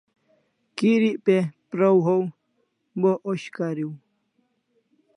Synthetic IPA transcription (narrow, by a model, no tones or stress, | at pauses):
kiɾiʔpepɾowɦow | boʔoɕkaɾiw